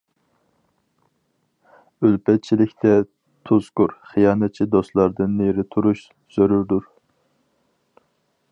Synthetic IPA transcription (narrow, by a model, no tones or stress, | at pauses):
ølpɛt̪̚t͡ʃʰilɪkʲt̪ʰɛ | t̪ʰuzkʊɾχijɑːnɛt̪̚t͡ʃʰid̪oslˠɑɾd̪ɨnːeɾɪt̪ʰuɾuʃ | z̥øɾyɾd̪uɾ